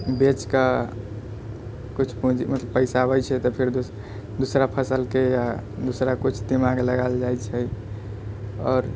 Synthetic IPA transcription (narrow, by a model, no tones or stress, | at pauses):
bet͡ʃka | kut͡ʃʰpũd͡ʒimət̪ləbpəɪsabət͡ʃʰɛt̪ɔpʰiɾd̪ | d̪usɾapʰəsəlkejad̪usɾakut͡ʃʰd̪imaɡləɡald͡ʒajt͡ʃʰɛ | ɔːɾ